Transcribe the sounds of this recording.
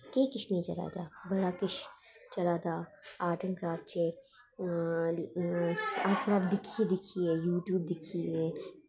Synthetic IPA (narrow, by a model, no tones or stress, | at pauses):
keːkɪʃnit͡ʃɐ̰ɾa̰ːd͡ʒa̰ːbɐɽaːkɪʃ | t͡ʃɐɾaːd̪aːaːʈənkɾaːf̚t͡ʃeː | aːkɾaːbd̪ɪkʰied̪ɪkʰiejuːʈjuːb̚d̪ɪkʰie